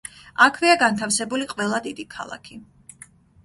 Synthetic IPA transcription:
akʰviaɡant̪ʰafsɛbuliqʼwɛlˠad̪id̪ikʰa̰lˠa̰kʰi

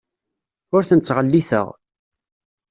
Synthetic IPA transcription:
ʊɾθənət͡sːʁəlːiθə̰ʁ

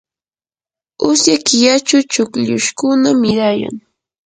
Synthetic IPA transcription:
ʊsjakɪjat͡ʃʊt͡ʃʊkʎʊʃkʊnamɪɾaja̰ŋ

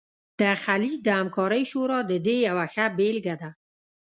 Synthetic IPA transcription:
d̪̥əxalid͡ʒd̪aamkʰɔɾajʃoɾɔd̪əd̪ejawaxabelɡad̪a

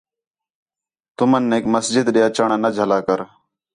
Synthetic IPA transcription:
t̪ʊmənːeːkməsd͡ʒɪd̪ɗɪjaːt͡ʃaːɳaːnəd͡ʒʱəlaːkəɾ

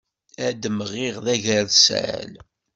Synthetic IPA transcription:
æd̪əmːəʁiʁðæʝəɾðsʕæ̰l

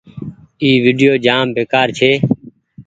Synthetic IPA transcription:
iːʋiːɖɪjoːd͡ʒaːmbeːkaːɾt͡ʃʰeː

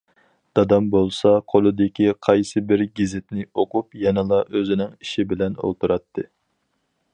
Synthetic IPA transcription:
d̪̥ɑd̪ɑmbolˠsɑqʰolˠɨd̪ɪkʲiqʰɑjsɨbɪɾɡʲizɪt̪nɪoqupjɛnɨlˠɑʔøzɪnɪŋiʃibɪlɛno̰lˠt̪uɾɑt̪ʰːɨ

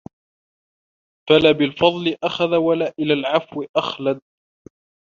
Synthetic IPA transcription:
falaːbɪlfɑðˤlɪʔaxaðawalaːʔɪlaːlʕafwɪʔaxlad̪̚

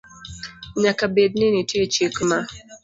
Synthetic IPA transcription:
ɲakabedninitet͡ʃikma

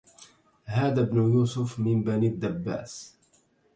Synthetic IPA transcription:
ɦaːd̪abnʊjuːsʊfmɪnbanid̪ːabːa̰ːs

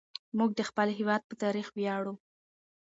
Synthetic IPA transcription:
muɡ̚d̪əxpəlɦɪwɑd̪̚pət̪ɑɾixbjɑɽu

